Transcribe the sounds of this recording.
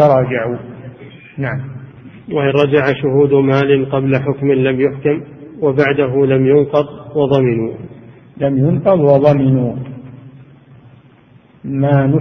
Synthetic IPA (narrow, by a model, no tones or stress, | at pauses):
ɑɾˤɑːd͡ʒaʕu | naʕam | waʔɪnɾˤɑd͡ʒaʕaʃʊhuːd̪maːlɪnqɑblaħʊkmɪnlamjʊħkamwabaʕd̪aɦʊlamjʊnqɑðˤwɑðˤɑmɪnuː | lamjʊnqɑðˤwɑðˤɑmɪnuː | maːnʊ